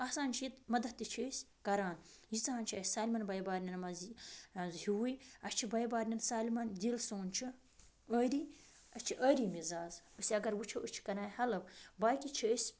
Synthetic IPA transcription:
ɐsaːnt͡ʃʰiit̪mɐd̪ɐt̪ːit͡ʃʰəːsʲ | kɐɾaːnjit͡saːaːnt͡ʃʰiɐsʲsaːlimɐnbɐjbaːɾnʲɐnmɐzzhiwujɐt͡ʃʰibɐjbaːɾnʲɐnsaːlimɐndilsoːnt͡ʃʰi | əɾiː | ɐt͡ʃʰiʔəːɾiːmizaːzɐsʲɐɡɐɾwut͡ʃʰɐʔət͡ʃʰi̥kɐɾaːhɐlɐbbaːjkʲit͡ʃʰəːsʲ

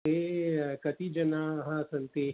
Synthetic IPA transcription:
ekɐt̪id͡ʒɐnaːɦãsɐnt̪eː

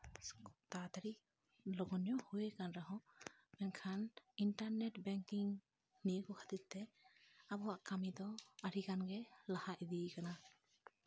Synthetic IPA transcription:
t̪at̪aɾi | lɔɡɔnjɔhujekanɾaɦɔ̃ | mɛnkʰaninʈaɾnɛʈbɛŋkiŋ | nijəkɔkʰḁt̪it̪̚t̪ɛabɔwaʔkamid̪ɔaɾikanɡɛlahaʔd̪ikana

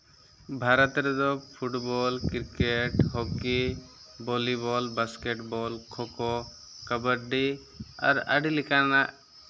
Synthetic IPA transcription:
bʱaɾɔt̪ɾɛd̪ɔpʰuʈbɔlkiɾkeʈɦɔki | bɔlibɔlbaskeʈbɔlkʰɔkɔ | kəbəɾɖi | a̰ɾa̰ɖilikanaʔ

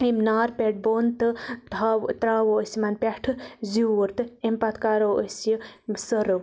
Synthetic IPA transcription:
emnaːɾpʲeʈ̚boːnt̪ɨt̪at̪ɾaːʋoəsimaːnpʲeʈʰɨziwuɾt̪ɨempat̪ʰkaːɾoːəsjəsəɾ

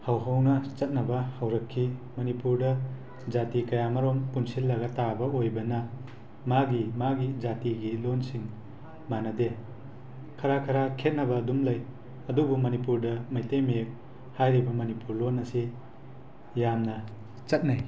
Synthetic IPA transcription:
hawɦɐwnɐt͡ʃɐt̚nɐbɐhɐwɾɐkʰːimɐnipuɾdɐ | d͡ʒatikɐjamɐɾompunsilːɐɡɐtabɐojbɐnɐ | maɡimaɡid͡ʒatiɡilonsiŋ | manɐde | kʰɐɾakʰɐɾakʰet̚nɐbɐːdumlɐj | ɐdubumɐnipuɾdɐmɐjtejmek̚ | hajɾibɐmɐnipuɾlonːɐsi | jamnɐ | t͡ʃɐt̚naj

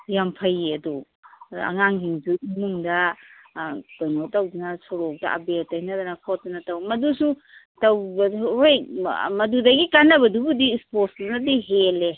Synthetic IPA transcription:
jampʰɐjeɐdu | ɐ̰ŋaŋhiŋsuimuŋdɐ | tojnotɐwdunɐsɔɾɔk̚dɐ̰ʔa̰beltajnadɐnɐkʰɔt̚dɐnɐtɐwmɐdusu | tɐwbɐhojmɐdudɐɡikanːɐbɐdubudiːsposdunɐdiɦele

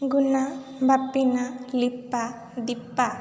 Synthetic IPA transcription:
ɡuna | bʱapːinalipːa | d̪ipːa

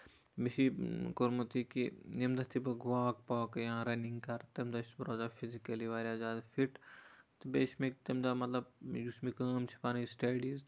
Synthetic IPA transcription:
biʃikoɾmɐt̪ikijɐmd̪ɐt̪ʰibɐɡʋaːk̚paːkjɐɦãɾɐniŋɡkɐɾt̪ɐmd̪aʃbɾoːzaːfʰizikɐliʋaːɾʲjaːzaːd̪fiʈt̪ɨbeːʃmek̚t̪ɐmd̪aːmɐt̪lɐbjusmikaːmt͡ʃʰi̥paːnisʈeːɖiz

